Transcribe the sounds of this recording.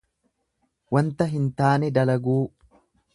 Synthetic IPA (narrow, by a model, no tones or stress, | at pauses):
wɐnt̪ɐɦɪnt̪aːnɛd̪ɐlɐɡuː